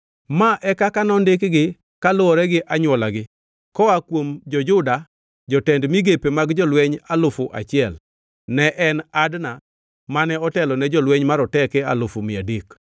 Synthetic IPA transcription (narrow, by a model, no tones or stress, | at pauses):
maʔɛkakanɔndɪkɡɪ | kalʊɔɾɛɡɪʔaɲwɔlaɡɪ | kɔakwomd͡ʒɔd͡ʒʊda | d͡ʒɔtɛndmiɡepemaɡd͡ʒɔlwɛɲalʊfʊʔa̰t͡ʃɪɛl | nɛʔɛnadna | manɛɔtɛlɔnɛd͡ʒɔlweɲmaɾɔtɛkɛa̰lʊfomɪadik